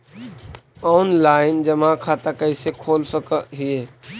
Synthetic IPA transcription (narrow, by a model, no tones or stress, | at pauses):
ɔnlaɪnd͡ʒəmãkʰat̪akəɪsekʰolsəkəɦie